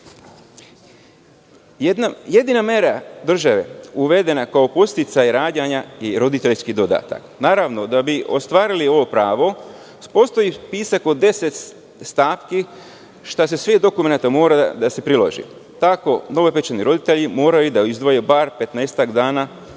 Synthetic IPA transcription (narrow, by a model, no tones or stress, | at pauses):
je̞d̪inameɾad̪r̩ʒaʋe̞uʋe̞d̪e̞nakaopo̞st̪it̪sajɾaːd̪jaɲaiɾo̞d̪it̪e̞ʎskid̪o̞d̪a̰ːt̪a̰knaːɾaʋno̞d̪abiʔo̞̰st̪ʋaːɾilio̞ʋo̞pɾaːʋo̞ | po̞ːst̪o̞ipiːsako̞d̪e̞se̞t̪ | st̪aːpki | ʃt̪ase̞sʋed̪o̞kumenat̪amo̞ːɾad̪ase̞pɾilo̰ʒḭt̪ako̞no̞ʋepet͡ʃaniɾo̞d̪it̪e̞ʎimo̞ːɾajud̪aizd̪ʋojebaɾpe̞t̪neːst̪akd̪aːna